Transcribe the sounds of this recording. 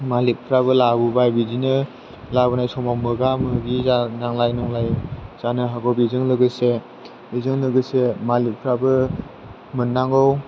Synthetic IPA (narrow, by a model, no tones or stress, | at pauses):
malip̚pʰɾaβɯlabubajbidinɯ | labɯnajsɔmamɯɡamɯɡizanaŋlajnɔŋlajz̥anɯɦaɡɔbizɯŋlɯɡɯse | izɯŋlɯɡɯsemalip̚pʰɾabɯ | mɯnːaŋɡɔw